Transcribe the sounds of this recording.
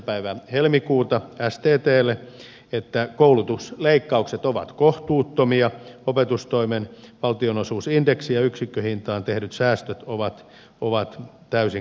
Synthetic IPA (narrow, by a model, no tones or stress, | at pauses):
pæiʋæhelmikuːt̪ɑæst̪eːt̪eːlːˑe | et̪ːækoulut̪usleikːɑukset̪oʋɑ̰t̪koht̪uːt̪ːomiɑopet̪ust̪oimenʋɑlt̪ionosuːsindeksijɑyksikːøhint̪ɑːnt̪ehnyt̪sæːst̪øt̪oʋɑt̪ | oʋɑt̪ | t̪æysi